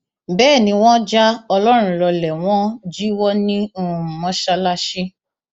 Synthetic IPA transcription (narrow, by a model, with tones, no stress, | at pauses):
bɛː˦˨nĩ˧w̃ɔ̃˦d͡ʒa˦ɔ˧lɔ˦ɾ̃ũ˧lɔ˧lɛ˨w̃ɔ̃˦d͡ʒi˦wɔ˦nĩ˦u˦˨mɔ̃˦ʃa˧la˦ʃi˦